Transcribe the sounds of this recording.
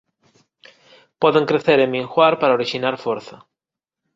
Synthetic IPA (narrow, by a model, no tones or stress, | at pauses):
pɔðeŋkɾeθeɾemiŋxwaɾpaɾaoɾiʃinaɾfoɾθɐ